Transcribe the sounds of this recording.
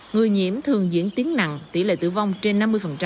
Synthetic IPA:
ŋɨ˨˩əjɲḭ˧˥əmt̪ʰɨ˨˩əŋzḭ˧˥ənt̪i˨˦əŋna̰˧˨ŋt̪ḭ˧˩lḛ˧˨t̪ɨ̰˧˩va˧wŋ͡mt͡ɕe˧nːa˧mːɨ˧jfə˨˩nt͡ɕa˧

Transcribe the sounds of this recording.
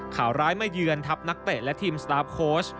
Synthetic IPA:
kʰaː˩˦wɾaː˦˥jma˥˩jːɯː˧ənt̪ʰa˦˥p̚na˦˥k̚p̪e˨˩lɛ˦˥ʔt̪ʰiː˧mst̪aː˦˥p̚kʰoː˦˥s

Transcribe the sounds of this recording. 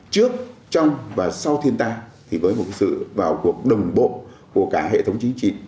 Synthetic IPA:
t͡ɕɨ˦˥ək̚t͡ɕɔ˧wŋ͡mvaː˨˩sa˧wt̪ʰi˧ənt̪aː˧t̪ʰi˨˩vəː˨˦jmo˨˩t̚ke˨˦sɨ̰˧˨vaː˨˩wku˨˩ək̚ɗə˨˩wŋ͡mɓo̰˧˨ | ku˧˩əkaː˧˩ɦḛ˧˨t̪ʰə˨˦wŋ͡mt͡ɕï˨˦ŋ̟t͡ɕḭ˧˨

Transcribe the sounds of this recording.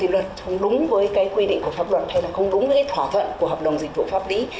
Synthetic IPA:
t̪i˨˦lə˨˩t̚xə˧wŋ͡mɗʊ˨˦ŋ͡mvəː˨˦jkaː˨˦jkwi˧ɗḭ˧˨ŋ̟ku˧˩əfaː˦˥p̚lwə̰˨˩t̚ha˧jlaː˨˩xə˧wŋ͡mɗʊ˨˦ŋ͡mvəː˨˦kaː˨˦jt̪ʰwaː˧˩t̪ʰwə̰˧˨nku˧˩əɦɔː˨˩p̚ɗə˨˩wŋ͡mzi˨˩k̟̚vṵ˧˨faː˦˥p̚li˨˦

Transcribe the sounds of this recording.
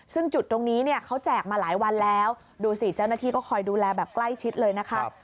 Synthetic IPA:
sɯ˥˩ŋt͡ɕu˨˩t̪̚ːo˧ŋniː˦˥ni˥˩ɐkʰa˦˥wt͡ɕɛː˨˩k̚maː˧laː˩˦jwa˧nlɛː˦˥w | duː˧si˨˩t͡ɕa˥˩wnaː˥t̪ʰiː˥˩kɔː˥˩kʰɔː˧jduː˧lɛː˧bɛː˨˩p̚kla˥˩jt͡ɕʰi˦˥t̪̚lɤː˧jna˦˥kʰa˦˥

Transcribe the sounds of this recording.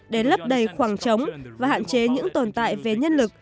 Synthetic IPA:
ɗe˧˩lə˦˥p̚ɗə˨˩jxwaː˧˩ŋt͡ɕə˨˦wŋ͡mvaː˨˩ha̰ː˧˨nt͡ɕe˨˦ɲɨ̰˧˥ŋt̪o˨˩nt̪a̰ː˧˨jve˨˩ɲə˧nlɨ˨˩k̚

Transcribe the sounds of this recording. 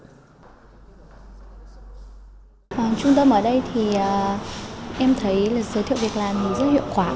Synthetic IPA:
ʔəː˨˩t͡ɕʊ˧ŋ͡mt̪ə˧mʔəː˧˩ɗə˧jt̪ʰi˨˩ʔə˨˩ | ʔɛ˧mt̪ʰə˨˦jlaː˨˩zəː˨˦t̪ʰḭ˧˨vi˨˩ək̚laː˨˩mi˨˩zə˦˥t̚hḭ˧˨wkwaː˧˩

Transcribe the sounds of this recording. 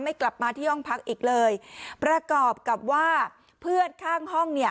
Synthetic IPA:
ma˥˩jkla˨˩p̚maː˧t̪ʰiː˥˩hɔ˥˩ŋpʰa˦˥k̚ʔiː˨˩k̚lɤː˧jpɾa˧kɔː˨˩p̚ka˨˩p̚waː˥˩ | pʰɯ˥˩ənkʰaː˥˩ŋɦɔ˥˩ŋni˥˩ə

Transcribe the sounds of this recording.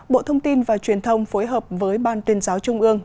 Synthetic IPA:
ɓo̰˧˨t̪ʰə˧wŋ͡mt̪i˧nvaː˨˩t͡ɕwi˨˩ənt̪ʰə˧wŋ͡mfoː˨˦jɦəː˨˩p̚vəː˨˦jɓaː˨˩nt̪wi˨˧˩ənzaː˨˦wt͡ɕʊ˧ŋ͡mʔɨ˧əŋ

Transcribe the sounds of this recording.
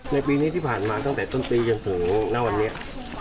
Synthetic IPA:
na˧jpiː˧ni˦˥t̪ʰiː˥˩pʰaː˨˩nmaː˧t̪a˥˩ŋt̪ɛː˨˩t̪o˥˩npiː˧t͡ɕo˧nt̪ʰɯ˩˦ŋna˦˥wa˧nːi˦˥ɐʔ

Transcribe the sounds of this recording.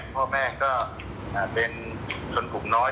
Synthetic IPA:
pʰɔː˥˩mɛː˥˩kɔː˥˩ | ʔaː˨˩pe˧n | t͡ɕʰo˧npʰu˨˩ŋnɔː˦˥

